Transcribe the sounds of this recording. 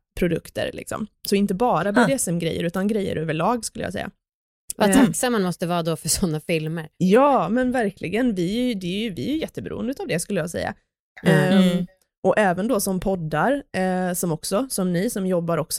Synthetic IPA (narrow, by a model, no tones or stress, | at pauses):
pʰɾʊd̪ɵ̰kt̪ə̰ɾlʔɪ̰ksɔ̰msɔɪnt̪əbɑːɾabed̪ɪɛsɛmɡɾɛ̰jːə̰ɾʉ̟ːt̪anɡɾɛjːə̰ɾʔøːvəɭɑːɡskɵlːəj̰sɛ̰jːa̰ | vat̪ʰaksamːanmɔst̪əvɑːd̪ɔfœʂɔnːafɪlməɾjɑːmɛnvæɾkʰlʔɪɡənvɪæjd̪ɛæɾjvɪæɾjɵjɛt̪ːəbɛɾṵə̰nəʉːt̪avd̪ɛskɵlːəjɑːsɛ̰jːa̰ | ʔɔʔɛːvənd̪ɔsɔmpʰɔd̪ːaɾsɔmɔksɔsɔmnɪsɔmjɔbːaɾɔks